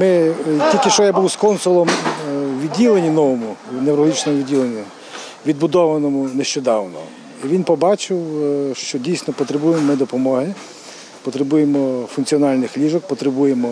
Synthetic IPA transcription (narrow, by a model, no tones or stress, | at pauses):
mɪtʲilʲkɪʃt͡ʃɔjabuwskɔnsɔlˠɔmʋʲidʲilˠenʲinɔʋɔmʊneʋɾɦɔit͡ʃnɔmʊʋidʲilˠenʲɐm | ʋʲid̪̚bʊd̪ɔʋɐnɔmʊneʃt͡ʃɔd̪ɑwnɔ̰ɦɔ̰ | iʋʲinpɔbɑt͡ʃɪwʃt͡ʃɔdʲijsʲnɔpɔt̪ɾɪbujemɔmɪd̪ɔpɔmɔɦɪ | pɔt̪ɾɪbujemɔfunk̪t͡sʲiɔnɑlʲnɪxlʲiʒɔk̚pɔt̪ɾɪbujemɔ